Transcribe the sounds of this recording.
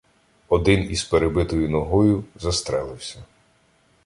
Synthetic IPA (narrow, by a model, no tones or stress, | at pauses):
ɔd̪ɪnizpeɾebɪt̪ɔjʊnɔɦɔjʊzɐst̪ɾɛlˠɪwsʲɐ